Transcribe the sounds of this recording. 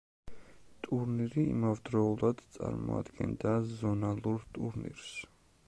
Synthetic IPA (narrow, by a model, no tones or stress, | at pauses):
t̪ʼuɾniɾḭːmavd̪ɾɔulˠad̪̥t̪sʼa̰ɾmɔ̰a̰d̪ɡɛnd̪azɔnalˠuɾt̪ʼuɾnḭɾs